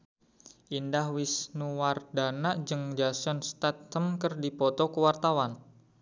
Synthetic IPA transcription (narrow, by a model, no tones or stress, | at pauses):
ʔindahwisnuwardanaʔd͡ʒəŋd͡ʒasɔnst̪at̪ːəmkərdipɔt̪ɔkəwart̪awan